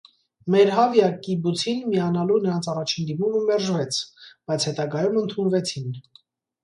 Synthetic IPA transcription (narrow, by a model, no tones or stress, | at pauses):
mɛɾɦɑvjɑkibut͡sʰinmiɑnɑlunəɾɑnt͡sʰɑrɑt͡ʃʰind̪imuməmɛɾʒvɛt͡sʰb̥ɑjt͡sʰhɛt̪ɑɡɑjumənt̪ʰunvɛt͡sʰin